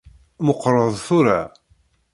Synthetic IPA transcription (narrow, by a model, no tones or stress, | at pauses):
məqːɾˤəðˤθʊɾa